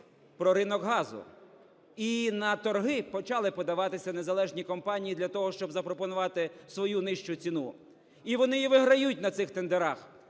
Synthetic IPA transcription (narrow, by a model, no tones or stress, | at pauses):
pɾɔɾɪnɔɡɦɑzʊ̰ | inɐt̪ɔrɦɪpɔt͡ʃɑlˠɪpɔd̪ɐʋɑt̪ɪsʲɐne̞zɐlˠɛʒnʲikɔmpɑnʲijid̪lʲɐt̪ɔɦɔʃt͡ʃɔbzɐpɾɔpɔnʊʋɑt̪ɪsʋɔjunɪʃt͡ʃʊt͡sʲinu | iʋɔnɪjiʋɪɦɾɐjut̚ʲnɐt̪sɪxt̪end̪eɾɑx